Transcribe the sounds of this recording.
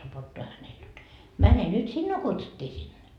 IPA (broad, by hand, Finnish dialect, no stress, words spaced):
sopotːoɑ hænel jot mæne nyt sinːuː kutsutːiː sinːe